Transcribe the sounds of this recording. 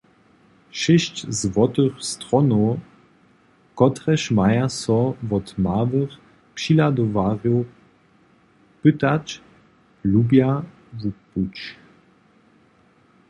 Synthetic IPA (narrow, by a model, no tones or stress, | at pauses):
ʃɪʃt͡ɕzvɔt̪əxstʁɔno | kɔt̪ʁɛʃmajasɔvɔt̪maːvəχ | pʂilad̪ɔvaːʁjo | pɨt̪at͡ʃ | lubja | vuput͡ʃ